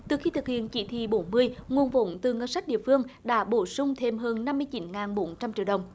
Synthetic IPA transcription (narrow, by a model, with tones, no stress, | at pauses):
t̪ɨ˨˩xi˧t̪ʰɨ˨˩k̚hḭ˧˨ənt͡ɕi˧˩˦t̪ʰḭ˧˨ɓo˨˦nmɨ˧əjŋu˨˩ənvo̰˧˨˦nt̪ɨ˨˩ŋə˧nsa˦˥k̟̚ɗḭ˧˨əfɨ˧əŋɗa̰ː˧˥ɓo˧˦sʊ˧ŋ͡mt̪ʰe˧mɦəː˧nːa˧mːɨ˧ət͡ɕi˨˦nŋaː˨˩nɓo˨˦nt͡ɕa˧mt͡ɕi˧˨əɗə˨˩wŋ͡m